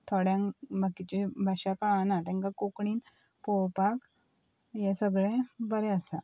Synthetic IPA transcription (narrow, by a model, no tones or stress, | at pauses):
t̪ʰoɽjãŋbʱakit͡ɕibʱaɕakaɭanat̪ɛ̃ŋkakokɳiːn | powpak | jesəɡɭẽbəɾɛəsa